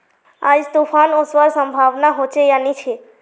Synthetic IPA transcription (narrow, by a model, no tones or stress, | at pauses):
a̰d͡ʒt̪ufʰanosʋəɾsəmbʱaʋnaɦot͡ʃejanit͡ʃʰe